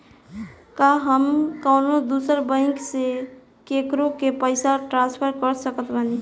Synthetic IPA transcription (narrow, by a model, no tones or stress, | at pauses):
kaɦəmkəʊnod̪usəɾbə̃ɪ̃ŋkse | kekɾõkepəɪsaʈɾãspʰəɾkəɾsəkət̪bani